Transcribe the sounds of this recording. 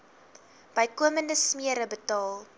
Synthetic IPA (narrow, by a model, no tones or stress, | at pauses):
b̥əjkuəməndəsmiəɾəbətɑːlˠ